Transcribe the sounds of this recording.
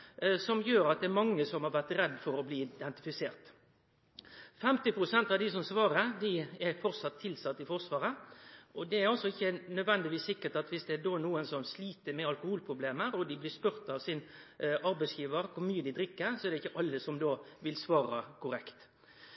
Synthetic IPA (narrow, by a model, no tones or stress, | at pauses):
sɔmjøːɾɑt̪̚d̪ɛæɾmɑŋːəsɔmhɑɾʋæʁt̪ɾɛd̪ːfɔɾɔbliːɪd̪ɛnt̪ɪfɪseːɾt̪ | fɛmt̪ɪpɾʊsɛnt̪ɑʋd̪ɪsɔmsʋɑːɾəɾd̪ɪɛɾfɔɾt̪sɑt̪ʰːɪlsɑt̪ːɪfɔʁsʋɑːɾəʔɔd̪ɛæɾɔsɔɪçːənœd̪ʋɛnd̪ɪʋiːsːɪkːəʈ̪ɑt̪ʋɪsd̪ɛːd̪oːnuːənsɔmsliːt̪əɾmɛɑlkʊhuːlpʰɾʊbleːməɾɔd̪ɪblɪspʉɾt̪ɑʋsɪnʔɑɾbæɪsjiːʋəɾkʰʊɾmyːəd̪ɪd̪ɾɪkːəɾsɔɛɾd̪ɛɪçːəʔɑlːəsɔmd̪oːʋɪlsʋɑːɾɑ̰kʰʊɾɛkt̪